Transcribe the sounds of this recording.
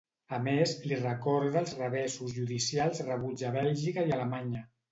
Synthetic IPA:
əmezlirəkɔɾðəːlˠzrəβ̞ɛsuzʒuðisialˠzrəβ̞ud͡ʒəβɛlʒikaialəmaɲə

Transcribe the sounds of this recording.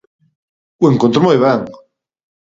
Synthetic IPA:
ueŋkont̪ɾomojβaŋ

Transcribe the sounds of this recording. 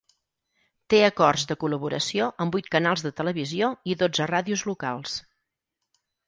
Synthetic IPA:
t̪eəkɔrzðəkuləβuɾə̰sioʔəmbujt̪̚kənalˠzðət̪ələβizioiðod͡zəraðiuzlukalˠs

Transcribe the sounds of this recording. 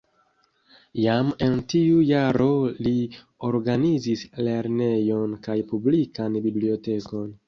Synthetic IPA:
jame̞ntiujaɾo̞li | oɾɡanizisle̞ɾne̞jo̞nkajpublikanbiblio̞te̞ko̞n

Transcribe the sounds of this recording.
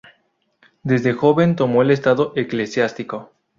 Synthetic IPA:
d̪e̞zðe̞xo̞βe̞nt̪o̞mo̞ele̞st̪aðo̞ʔeklesjast̪iko̞

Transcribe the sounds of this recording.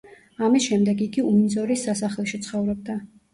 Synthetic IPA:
amisʃɛmd̪ɛɡiɡiuminzɔɾisːasaχlɛʃit̪sʰχɔvɾɔb̚d̪a

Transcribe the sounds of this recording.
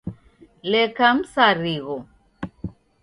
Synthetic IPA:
lɛkam̩saɾiɣɔ

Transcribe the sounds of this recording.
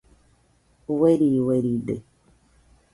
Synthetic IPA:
weɾiweɾiɖḛ

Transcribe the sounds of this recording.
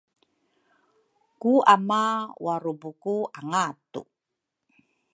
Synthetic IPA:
kuamawaɾubukuʔaŋatṵ

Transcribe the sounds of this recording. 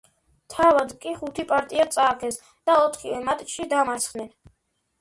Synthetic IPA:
t̪ʰavad̪kʼiχut̪ʰipʼaɾt̪ʼiat̪sʼaːkʰɛs | d̪̥aɔt̪ʰχivɛmat̪ʼt͡ʃʰʃid̪amasχnɛn

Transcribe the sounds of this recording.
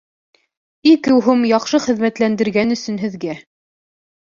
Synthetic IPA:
ikɘ̆wɦumjɑqʃɤχɘ̆ðmæt̪lænd̪ɘ̆ɾɡænɵ̆sɵ̆nɦɘ̆ðɡæ

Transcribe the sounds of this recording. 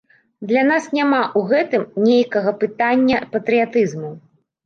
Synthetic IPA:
d̪lʲanasnʲamaʔuɣɛt̪ɨmnʲejkɐɣɐpɨt̪anʲːɐpɐt̪ɾɨjat̪ɨzmu

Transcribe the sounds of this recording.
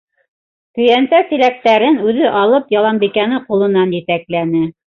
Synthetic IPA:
kɵ̆jænsæsilæk̚t̪æɾɘnʉðɘʔɑlˠɤpjɑlˠɑmbikænɘqulˠɤ̆nɑnjɘ̆t̪æklænɘ

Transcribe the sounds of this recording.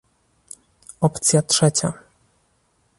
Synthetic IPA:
ɔpt̪sʲjatʂɛt͡ɕa

